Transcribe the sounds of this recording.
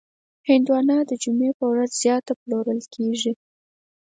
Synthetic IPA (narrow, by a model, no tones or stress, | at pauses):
hɪnd̪wɑnɑd̪əd͡ʒumepəwɾazzjɑt̪aploɾəlkʰeʐi